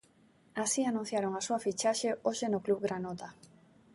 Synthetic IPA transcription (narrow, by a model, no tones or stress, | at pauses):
asianũn̟θjaɾoŋasuafit͡ʃaʃeoʃenʊkluβɡɾanot̪a